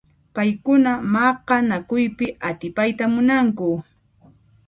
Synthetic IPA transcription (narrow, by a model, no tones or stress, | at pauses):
pajkʊnamɑqɑnakʊjpɪʔat̪ɪpajt̪amʊnaŋkʊ